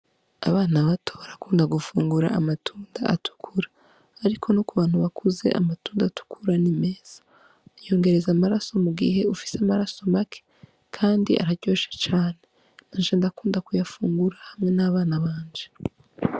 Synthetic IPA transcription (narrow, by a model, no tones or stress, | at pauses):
a̰βaːnaβatoβaɾakuːndaɡufuːŋɡuɾa̰amatʰuːndaa̰tʰu̥kʰuɾḁː | ɾikʰo̞nokuβaːn̥huβakʰuze̞̰ʔa̰matuːndatu̥kʰuɾanimeːz̥ḁ | jo̞ːŋɡe̞ɾe̞zamaɾaso̞muɡḭhe̞ufi̥samaɾaso̞makʰe̥ | kʰaːndiʔa̰ɾaɟo̞ːʃḁt͡ʃaːne̞ | naʒeːndakuːndakujafuːŋɡuɾahamŋe̞naβaːnaβaːɲd͡ʒe